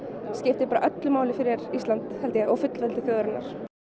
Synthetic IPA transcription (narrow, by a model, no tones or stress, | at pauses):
scɪft̪ɪpaːɾaʔœt̪lʏmaːwlɪfɪɾjɛɾist̪lant̪hɛlt̪jɛɔfʏt̪lvɛlt̪ɪθjœːɣɾɪnaɾ̥